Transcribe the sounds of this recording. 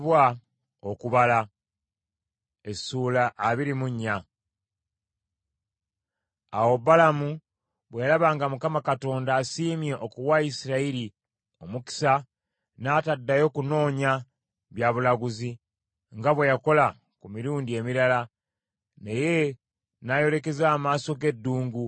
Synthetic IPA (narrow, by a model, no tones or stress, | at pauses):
βwa | okuβala | esulaʔːβiɾimuɲːa | awo̞balamu | βwejalaβaːŋɡamukamakato̞ːndaːsiːmje̞ʔokuwaisiɾaiɾi | o̞muki̥sa | naːtadːajo̞kuno̞ːɲa | βjaβulaɡuzi | ŋɡaβwe̞jako̞la | kumiɾuːndie̞miɾala | neje̞ | najo̞le̞ke̞zaːmaːso̞ɡe̞dːuːŋɡu